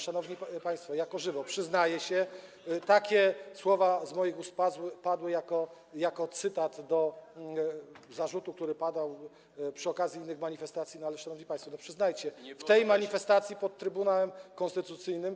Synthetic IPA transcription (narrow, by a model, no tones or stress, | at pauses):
ʂanɔvɲipaj̃st̪fɔjakɔʐɘvɔpʂɘznajɛɕɛ | t̪akʲɛswɔvazmɔjiɡuspazwɘpad̪wɘjakɔ | jakɔt̪sɘt̪ad̪d̪ɔ | zaʐut̪uk̚t̪uɾɘpad̪aw | pʂɘɔkazʲjiinːɘxmaɲifɛst̪at̪sʲinɔalɛʂanɔvɲipaj̃st̪fɔnɔpʂɘznajt͡ɕɛft̪ɛjmaɲifɛst̪at̪sʲjipɔt̪t̪ːɾɘbunawɛmkɔnst̪ɘt̪ut̪sɘjnɘm